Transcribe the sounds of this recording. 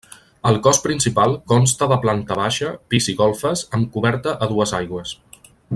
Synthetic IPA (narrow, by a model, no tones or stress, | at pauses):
əlˠkɔspɾinsipalˠkɔnst̪əðəplant̪əβaʃəpiziɣɔlˠfəsəmkuβɛɾt̪əʔəðuəzajɣwəs